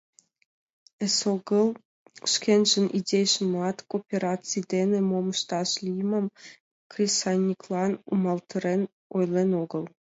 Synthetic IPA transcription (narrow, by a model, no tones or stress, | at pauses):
esoɡəlˠ | ʃkʲʰenʒənʔidʲejʃə̆mlɑt̪kopʲeɾat͡sɨjd̪enĕmomʃt̪ɑʃlʲiməm | krʲisanʲːiklˠɑnṵmɑlˠt̪ʰə̆ɾen | ojlʲˠenoɡɤ̆lˠ